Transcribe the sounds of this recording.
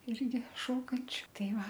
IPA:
ˈɪrʲɡʲɪ ˈʃoːkɐnʲt͡ʃʲʊ ˈtɐɪ ˈʋɐ

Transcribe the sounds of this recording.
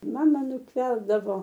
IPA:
ˈmɑːmɐ nʊtʲˈʋʲɛrdɐʋoː

